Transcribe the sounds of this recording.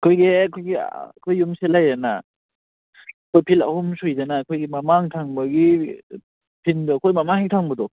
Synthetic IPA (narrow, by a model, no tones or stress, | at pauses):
kʰojɡekʰojɡḭkʰojːumselajɾana | kʰojpʰila̰humsujzanakʰojɡimamaŋtʰaŋbɐɡi | pʰindɯkʰojmamaŋitʰaŋbɐdɔ